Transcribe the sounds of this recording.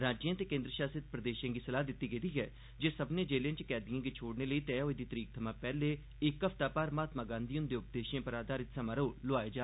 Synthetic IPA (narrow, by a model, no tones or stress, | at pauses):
ɾaːd͡ʒɪjãːt̪eːkẽːnd̪ɾəʃaːsɪt̪̚pɾəd̪eːʃjãːɡiːsəlaːd̪ɪt̪ːiːɡed̪iːɛː | d͡ʒeːsəbnẽːd͡ʒeːlãːt͡ʃkɛːd̪ijãːɡiːt͡ʃʰoːɽneːləiːt̪ɛːoːeːd̪iːt̪əɾiːk̚t̪ʰəmãːpɛːleː | ɪkːəpʰt̪aːpaːɾmaːt̪mãːɡãːnd̪iːʊ̃nd̪eːʊp̚d̪eːʃãːpəɾaːd̪aːɾɪt̪saːmaɾoːloaːeːd͡ʒaː